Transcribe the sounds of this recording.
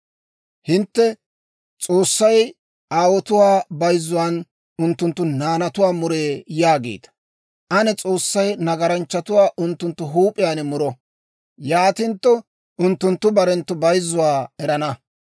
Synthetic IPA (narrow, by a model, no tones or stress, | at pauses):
hɪnt̪ːɛ | t͡sʼoːsːɐj | aːwɔt̪ʊwaːbɐjzːʊwaːn | ʊnt̪ːʊnt̪ːʊnaːnɐt̪ʊwaːmʊɾeːjaːɡḛːt̪ɐ̥ | ʔɐnɛt͡sʼoːsːɐjnɐɡɐɾɐnt͡ʃːɐt̪ʊwaːʔʊnt̪ːʊnt̪ːʊɦuːpʼɪjaːnɛmʊɾɔ | jaːt̪ɪnt̪ːɔ | ʊnt̪ːʊnt̪ːʊbɐɾɛnt̪ːʊbɐjzːʊwaːɛɾɐnɐ